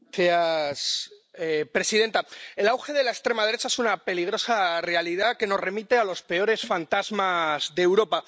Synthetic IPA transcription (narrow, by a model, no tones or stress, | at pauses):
eas | pɾe̞siðe̞nt̪ae̞lawxe̞ðe̞laekst̪ɾe̞mað̞e̞ɾet͡ʃaesunape̞liɣ̞ɾo̞sare̞alið̞ake̞no̞zre̞mit̪e̞alo̞spe̞o̞ɾe̞sfant̪azmazðe̞ːwɾo̞pa